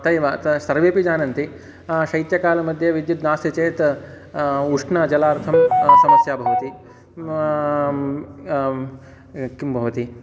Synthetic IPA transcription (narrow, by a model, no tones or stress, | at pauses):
t̪ɐjʋaːt̪ɐsɐɾʋeːpid͡ʒaːnɐnt̪i | ʃɐjt̪jɐkaːlɐmɐd̪ʱjɐʋid̪jut̪naːsjɐt͡ʃeːt̪ | uʂɳaːd͡ʒɐlaːɾt̪ʰɐmsɐmɐsjaːbʱɐʋɐt̪i | kimbʱɐʋɐt̪i